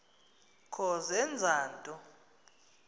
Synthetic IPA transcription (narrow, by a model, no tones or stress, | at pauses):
kʰɔzɛnd͡zʱaːntʼɔ